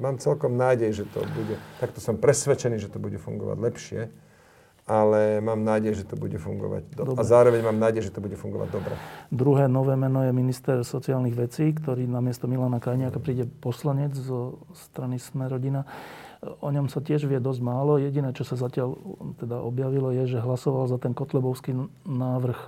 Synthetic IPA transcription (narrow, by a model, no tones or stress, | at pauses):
maːmt͡sɛlkɔmnaːɟɛjʒɛt̪ɔ̰buɟɛt̪akt̪ɔsɔmpɾɛsʋɛt͡ʃɛniːʒɛt̪ɔbuɟɛfṵŋɡɔ̰ʋa̰ɟlɛpʃɪɛ | ʔalɛmaːmnaːɟɛjʒɛt̪ɔbuɟɛfuŋɡɔ̰ʋa̰ɟd̪ɔd̪ɔbazaːɾɔʋɛɲmaːmnaːɟɛjʒɛt̪ɔbuɟɛfuŋɡɔʋa̰ɟ̚d̪ɔbɾɛ̰d̪ɾuɦɛːnɔʋɛːmɛnɔjɛminist̪ɛɾsɔt͡siaːlniɣʋɛt͡siːkt̪ɔɾiːnamɪɛst̪ɔmilanakajɲɪakapɾiːɟɛpɔslaɲɛd͡zzɔst̪ɾanismɛɾɔɟina | ɔɲɔmsacɪɛʒʋɪɛd̪ɔzɟmaːlɔjɛɟinɛːt͡ʃɔsazacɪalt̪ɛd̪aʔɔbjaʋilɔjɛʒɛɦlasɔʋalzat̪ɛnkɔt̪lɛbɔʊskinaːʋr̩x